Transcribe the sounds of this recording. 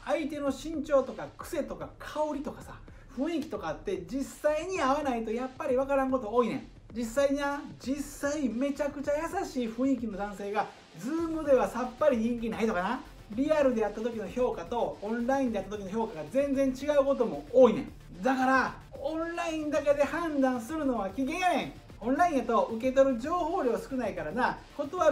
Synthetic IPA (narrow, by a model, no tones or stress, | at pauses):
ait̪e̞no̞ɕĩɲt͡ɕo̞ːt̪o̞kakɯ̥se̞t̪o̞kakʰao̞ɾʲit̪o̞kḁsa̰ | ɸɯ̟̃ɰ̃ikʲi̥t̪o̞kat̪ːe̞d͡ʑisaiɲ̟iaβanait̪o̞japːaɾʲiβakaɾãŋko̞t̪o̞o̞ːinẽ̞̰ŋ | d͡ʑisːaiɲiad͡ʑisaime̞t͡ɕakɯ̟t͡ɕajasaɕiːɸɯ̟̃ɰ̃ikʲino̞d̪ãɰ̃se̞ːɡa | d͡zɨːmɯ̟d̪e̞βasapːaɾʲiɲ̟ĩŋk̬ʲinait̪okana | ɾʲiaɾɯ̟d̪e̞jat̪ːat̪o̞kʲinoço̞ːkat̪õ̞ːñɾaĩnd̪eat̪ːat̪okʲinoçʲjoːkaɡazẽ̞nd͡zẽ̞ɲ̟t͡ɕiɡaɯ̟ko̞t̪o̞mo̞oːinḛ̃ŋ | d̪akaɾa | õñɾaĩnd̪ake̞d̪e̞hãnd̪ãɰ̃sɨɾɯ̟no̞βakʲiɡẽjanẽŋ | õnɾaĩat̪o̞ʔɯ̟k̬e̞t̪o̞ɾɯ̟d͡ʑo̞ːho̞ːɾʲo̞ːsɨ̥kɯ̟naikaɾanako̞t̪oβa